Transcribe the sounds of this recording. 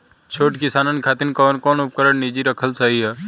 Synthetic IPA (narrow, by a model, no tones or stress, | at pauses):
t͡ʃʰoːʈkɪsaːnənkʰaːt̪ɪnkɔːnkɔːnʊp̚kəɾəɳnid͡ʒiɾəkʰəlsaɦiɦɛː